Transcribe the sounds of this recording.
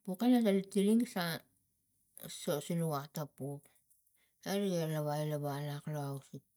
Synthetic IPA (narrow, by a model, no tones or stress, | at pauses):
pukenatalitiliŋisa | sosinuwatapuk | eɾiɡelaβajlaβalakloausit̚